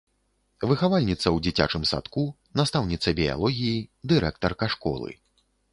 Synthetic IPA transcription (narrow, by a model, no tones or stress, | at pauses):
vɨxavalʲnʲit̪sɐwd͡zʲit͡sʲa̰t͡ʂɨmsa̰t̪ku | nast̪awnʲit̪sɐbʲija̰lˠɔɣʲijid̪ɨɾɛk̚t̪ɐrkaʂkɔ̰lˠɨ̰